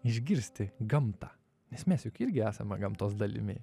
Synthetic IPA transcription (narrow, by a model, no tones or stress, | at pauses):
ɪʒʲɡʲɪɾʲsʲt̪ʲɪɡɐmt̪ɑː | nʲɛsmʲɛsjʊkɪɾʲɡʲɪæːsɐmʲɛɡɐmt̪oːsd̪ɐlʲɪ̰mʲɪ̰